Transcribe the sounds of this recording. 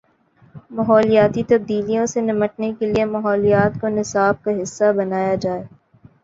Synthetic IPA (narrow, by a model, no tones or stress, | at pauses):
mɐɦɔːlijaːt̪it̪ɐb̚d̪iːlijõsenɪməʈ̚nekeliemɐɦɔːlijaːt̪konɪsaːb̚kaɦɪsːabɐnaːjad͡ʒaːeː